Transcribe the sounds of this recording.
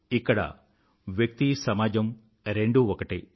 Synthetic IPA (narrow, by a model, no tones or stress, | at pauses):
ikːɐɽɐ̰ | ʋjɐk̚t̪isɐmaːd͡ʒɐm | ɾeɳɖuɔkɐʈi